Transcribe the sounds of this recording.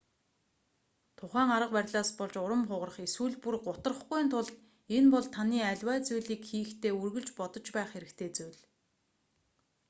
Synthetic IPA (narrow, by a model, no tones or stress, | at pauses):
t̪ʰʊχæːŋaɾə̆q̚pærʲɮaːspɔɮt͡ɕʊɾə̆mχʊʁə̆rə̆χeswuːɮpurɢʊt̪ə̆rə̆χɡujnt̪ʰʊɮt̪ | enpɔɮt̪ʰaniːæɮʲwæːt͡sujɮiːkxiːxt̪ʰeːurɣɵ̆ɮt͡ɕpɔt̪ɞ̆t͡ɕpæːχxeɾɘ̆kt̪ʰeːt͡sujɮ